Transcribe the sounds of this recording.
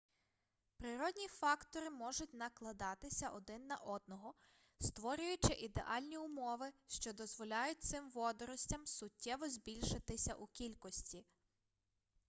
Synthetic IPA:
pɾɪɾɔd̪ʲnʲifɑkt̪ɔɾɪmɔʒʊtʲnɐklˠɐd̪ɑt̪ɪsʲɐʔɔd̪ɪnːɐʔɔd̪̚nɔɦɔ | st̪ʋɔɾʲʊjʊt͡ʃɪʔid̪ḛʔɑlʲnʲiʊmɔʋɪʃt͡ʃɔd̪ɔzʋɔlʲɑjʊt̚ʲt̪sɪmʋɔd̪ɔɾɔsʲtʲɐmsʊtʲːɛʋɔzʲbʲilʲʃɪt̪ɪsʲɐ̰ʔukʲilʲkɔsʲtʲi

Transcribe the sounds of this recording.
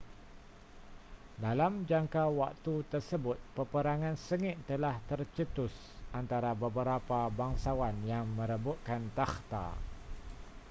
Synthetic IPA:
dalamd͡ʒaŋkawak̚t̪ut̪ərsəbʊt̪̚pəpəɾaŋãnsəŋɪʔt̪əlaht̪ərt͡ʃət̪ʊs | ʔant̪aɾabəbəɾapabaŋsawanjaŋmə̃ɾəbut̪̚kant̪axt̪a̰

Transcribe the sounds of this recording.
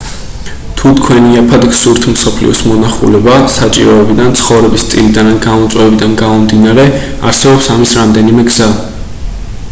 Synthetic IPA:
t̪ʰut̪ʰkʰwɛniapʰad̪ɡsuɾt̪ʰmsɔpʰlḭɔsmɔnaχṵlɛbasat͡ʃʼḭɾɔɛbid̪ant̪sʰχɔvɾɛbist̪sʼilid̪ananɡamɔt̪sʼwɛbid̪anɡamɔmd̪inaɾɛ | a̰ɾsɛbɔpsamisɾamd̪ɛnimɛɡz̥a

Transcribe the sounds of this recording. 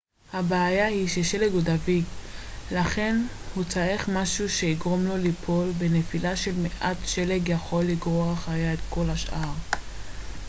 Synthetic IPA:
habeːjahiʃeʃe̞leɡodaviɡlaχe̞n | hut͡saeχmaʃuʃe̞iɡʁo̞mlo̞lipʰo̞lbe̞nefilaʃe̞lmeʔatʃe̞leɡjaχo̞lːiɡʁoaaχajaet̪ko̞lhaʃʔaʁ

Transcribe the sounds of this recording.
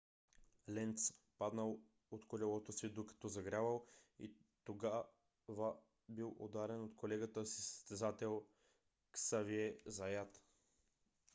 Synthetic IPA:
lɛnt̪s | pad̪nəlˠ | ot̪kolʲɛlˠɔt̪osvid̪okɐ̥t̪ɔzɐɡɾʲavəlˠḭt̪oɡa | va | bilˠo̰d̪aɾɛnot̪kʰolɛɡət̪əsisə̥st̪ɛzat̪ɛlˠ | ksaviɛzɐjat̪

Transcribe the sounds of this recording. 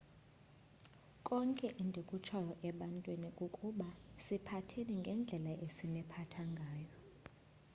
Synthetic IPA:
kʼɔŋkʼɛʔindʱekʼut͡ʃʰajɔʔɛɓantʼwinikʼukʼuɓasipʰatʰeniŋɡʱɛnd͡ɮʱɛlaʔesinɛpʰatʰaŋɡʱaːjɔ

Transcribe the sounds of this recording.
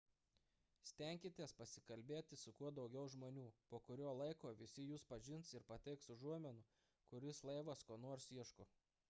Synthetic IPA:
sʲt̪ʲɛˑŋʲkʲɪt̪ʲiɛspɐsʲɪ̥kɐlʲbʲeːt̪ʲɪsʊkuɔd̪ɒʊɡʲɛʊʒmoːnʲuːpoːkʊɾʲoːlˠɐɪkoːʋʲɪsʲɪjuːspɐʒʲɪnt̪sɪɾpɐt̪ʲɛɪksʊʒuɔmʲɛnʊ | kʊɾʲɪslˠɐɪʋɐskoːnoɔɾsiɛʃkʊ

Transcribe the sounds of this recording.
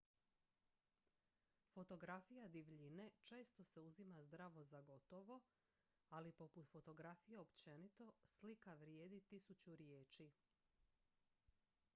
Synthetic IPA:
fo̞t̪o̞ɡɾafijad̪iʋʎine̞t͡ʃe̞ːst̪o̞se̞uzimazd̪ɾaʋo̞zaɡo̞t̪o̞ʋo̞ | alipo̞put̪fo̞t̪o̞ɡɾafije̞opt͡ɕe̞nit̪o̞slikaʋɾjeːd̪it̪isut͡ɕuɾjeːt͡ʃi

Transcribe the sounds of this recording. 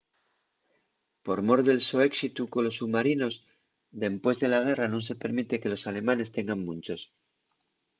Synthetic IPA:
po̞ɾmo̞ɾðe̞lsoe̞ksit̪ukolo̞sumaɾino̞z | ðe̞mpwe̞zðe̞laɣ̞e̞ranõns̬e̞pe̞ɾmit̪e̞ke̞lo̞sale̞mãne̞st̪e̞ŋɡaŋmũnt͡ʃo̞s

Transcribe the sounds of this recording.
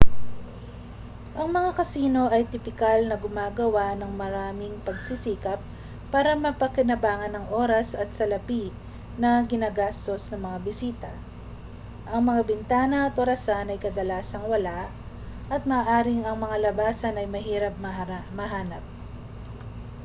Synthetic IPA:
ʔɐŋmɐŋakɐsiːno̞ʔɐjt̪ɪpɪkalnɐɡʊmaːɡɐwanɐŋmɐɾaːmɪŋpɐɡsisiːkɐp̚ː | aːɾɐmɐpɐkɪnɐbaːŋɐnːɐŋʔo̞ːɾɐsɐt̪̚sɐlɐpi | nɐɡɪnaːɡast̪o̞snɐŋmɐŋabɪsiːt̪ɐ | ʔɐŋmɐŋabɪnt̪aːnɐʔɐt̪ʔoɾɐsanɐjkɐd̪ɐlaːsɐŋwɐlaʔ | ʔɐt̪̚mɐːʔaːɾɪŋɐŋmɐŋalɐbaːsɐnɐjmɐɦiːɾɐp̚mɐmɐɦaːnɐp̚

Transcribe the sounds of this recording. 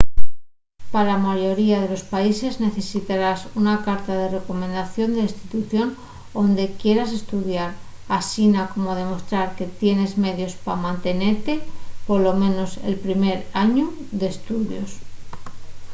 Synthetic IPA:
paɾamaʝo̞ɾiaðe̞lo̞spaise̞zne̞θe̞sit̪aɾasunakaɾt̪aðe̞re̞ko̞mẽ̞nd̪aθjo̞nd̪eist̪it̪uθjo̞n | ond̪e̞kje̞ɾas̬e̞st̪uðjaɾ | asinako̞mo̞ð̞e̞mo̞st̪ɾaɾke̞t̪je̞ne̞zme̞ðjo̞spamãnt̪e̞ne̞ɾt̪e̞po̞lo̞mẽ̞no̞se̞̰lpɾime̞ɾaɲu | ðe̞ːst̪uðjo̞s

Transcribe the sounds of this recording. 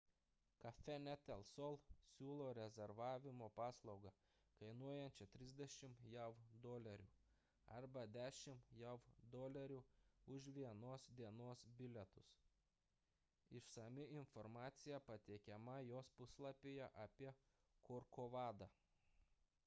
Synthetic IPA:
kɐfʲɛnʲæt̪ʲɛlˠsɔlˠsʲuːlˠoːɾʲɛzʲɛɾʋɑːʋʲɪmoːpɑːslˠɒʊɡɐ | kɐɪnuɔjɛnʲt͡ʃʲɛt̪ʲɾʲɪzʲd̪ʲɛʃʲɪmjɛʊd̪oːlʲɛɾʲuː | ɐ̰ɾbɐd̪ʲæːʃʲɪmjɛʊd̪oːlʲɛɾʲuːʊʃʋʲiɛnoːsd̪ʲiɛnoːsbʲɪlʲɛt̪ʊs | ɪʃsɐmʲɪɪnfɔɾmɑːt̪sʲɪjɛpɐt̪ʲɛɪkʲɛmɐjoːspʊslˠɐpʲejɛʔɐːpʲiɛ | koɾkoʋɑːd̪ɑː

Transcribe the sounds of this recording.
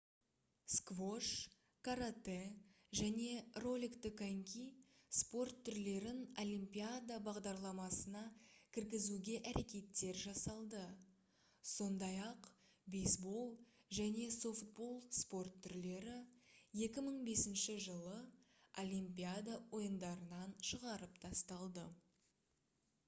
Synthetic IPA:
skvoʂ | kʰaɾat̪e | ʒæne̞ro̞lʲikt̪ɪkaŋkʲispo̞rt̪ʰːʏɾle̞ɾɪno̞limpijad̪abɑʁd̪ɑɾlˠɑmɑsənɑkʲʰɪɾɡʲɪzuɡʲe̞ʔæɾe̞kʲe̞t̪ːe̞ɾʒɑsɑlˠd̪ə | so̞nd̪ɑjɑq | bejsbo̞lˠʒæne̞so̞ft̪̚bo̞lˠspo̞rt̪ʰːʏɾle̞ɾɪje̞kʲɪməɴbe̞sɪnʃɪʒəlˠəolʲimpʲijad̪awo̞jənd̪ɑɾənɑnʃəʁɑɾəpt̪ʰɑst̪ɑlˠd̪ə

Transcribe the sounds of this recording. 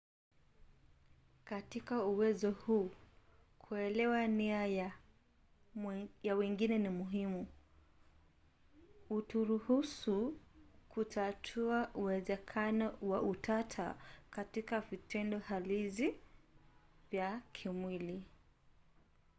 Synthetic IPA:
katikauwɛzɔhuː | kʰuɛlɛwania | jawɛŋɡinɛnimuɦimu | utuɾuhusukʰutʰatʰuaʔuwɛzɛkʰanɔwaʔutatʰa̰katikavitʰɛndɔhalizi | vjakʰimwili

